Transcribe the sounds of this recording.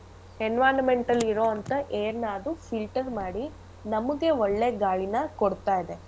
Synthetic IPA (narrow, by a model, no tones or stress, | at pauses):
henʋaːnɐmeɳʈɐlːiɾoːɐnt̪ɐʔeːɾnaːd̪ufʰilʈɐɾmaːɽi | nɐmːuɡeɔɭːe̞ːɡaːɭinɐkoɽt̪aːjid̪e̞